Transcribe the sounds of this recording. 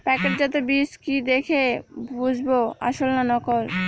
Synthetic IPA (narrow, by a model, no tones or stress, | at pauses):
pɛkeʈ̚d͡ʑat̪̬obiskid̪ekʰebud͡ʑʱboa̰ʃolnanɔkol